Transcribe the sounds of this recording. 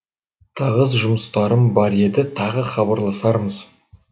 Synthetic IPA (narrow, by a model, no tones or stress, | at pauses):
t̪ʰɑʁəzʒʊməst̪ɑɾəmbɑɾe̞d̪ɪt̪ʰɑʁəχɑbɑɾlˠɑsɑɾməz̥